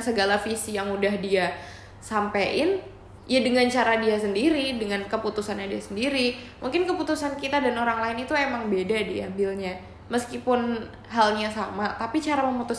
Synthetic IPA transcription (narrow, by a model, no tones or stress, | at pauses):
səɡalafisijaŋudahdia | sampeɪn | jadəŋant͡ʃaɾadiasəndiɾidəŋankəput̪usanɲadiasəndiɾimuŋkɪnkəput̪usankit̪adanoɾaŋlaɪnit̪uemaŋbedadiambɪlɲa | məskipʊn | ɦalɲasamat̪apit͡ʃaɾaməmut̪us